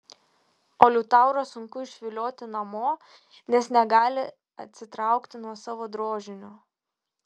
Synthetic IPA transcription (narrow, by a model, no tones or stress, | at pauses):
oːlʲʊt̪ɑˑʊɾosʊŋkʊɪʃʲʋʲɪlʲoːt̪ʲɪnɐmoː | nʲɛsnʲɛɡɑːlʲɪ | ɐt̪ʲsʲɪt̪ɾɑˑʊkt̪ʲɪnuɔsɑːʋoːd̪ɾoːʒʲɪnʲoː